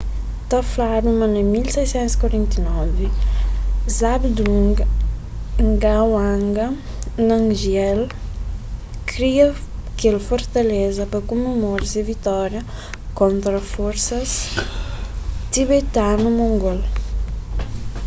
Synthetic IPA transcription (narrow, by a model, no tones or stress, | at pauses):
t̪aflaɾumanemilsɛjsɛnskaɾɛnt̪inɔvi | zabd̪uŋɡ | ŋɡawaŋɡa | naŋʒjɛl | kɾiakelfoɾt̪alezapəkumemoɾsevit̪ɔɾja | kɔnt̪ɾafɔɾsɐs | t̪iβet̪anumuŋɡɔl